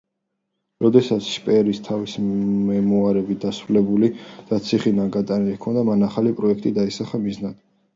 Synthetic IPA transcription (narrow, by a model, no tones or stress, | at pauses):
ɾɔd̪ɛsat̪sʰʃpʼɛɾist̪ʰavisɛmuaɾɛbid̪asɾulɛbulid̪̥at̪sʰiχinaɡat̪ʼanilikʰɔnd̪amanaχalipʼɾɔɛkʰt̪ʼid̪aisaχamiznad̪̥